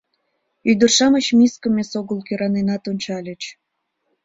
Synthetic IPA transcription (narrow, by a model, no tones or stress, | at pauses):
yd̪ərʃɑmət͡ɕmiskəmesoɣəlkøɾɑnenɑt̪onʲt͡ɕɑlʲət͡ɕ